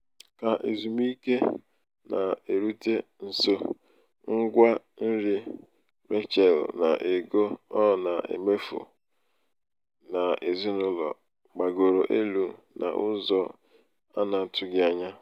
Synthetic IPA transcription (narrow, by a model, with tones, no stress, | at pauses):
ka˨ʔe˨zu˨m˦i˦ke˦ | nʔa˨e˨ɾu˦te˦n̩˨so˦ | ŋ̩˦ɡʷa˦ | n̩˦ɾi˦ | me˦t͡ʃɛ˨lna̰˨ʔe˨ɡo˦ɔ˦˨na˨ḛ˨me˦fṵ˨ | na˨e˨zi˦nʊ˦lɔ̰˨ | ɡ͡ba˨ɡo˨ɾo˨ʔe˦lu˨ | na̰˨ʔʊ˦zɔ˦ | a˦na˨tʰʊ˦ɡɪ˦a˦ɲa˦